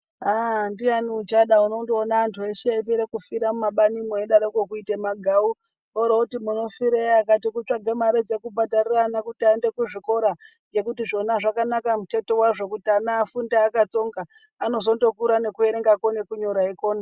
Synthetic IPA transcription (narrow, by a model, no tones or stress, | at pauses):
andianiut͡ʃaɗauno̞ndoonaːntʰueʃeip̬eɾekufiɾamumaɓanimoeɗaɾokokuitemaɡʱau | oɾoutimuno̞fiɾejakatikut͡ʂaɡʱemaɾed͡zekubʱatariranakutiaende̞kuʐiko̞ɾa | ɡe̞kutiʐo̞naʐakanakamute̞to̞waʐo̞kutianaːfundaːkat͡so̞ŋɡaː | no̞zo̞ndo̞kuɾane̞kueɾeŋɡakonekuɲoɾaiko̞ːna